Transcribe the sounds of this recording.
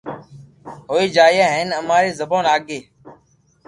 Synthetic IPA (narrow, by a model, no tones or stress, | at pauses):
ɦoːiːd͡ʒaːɪjaːɦeːnəmaːɾeːzəbõːnaːɠeː